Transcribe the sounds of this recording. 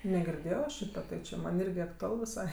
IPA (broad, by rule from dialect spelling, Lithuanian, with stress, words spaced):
nʲɛɡʲɪrʲˈdʲeːjoː ˈʃʲiːtɐ tɐɪ t͡ʃʲɪ ˈmɐnʲ ˈɪrʲɡʲɪ ɐktʊˈɐlˠ ʋʲɪˈsɐɪ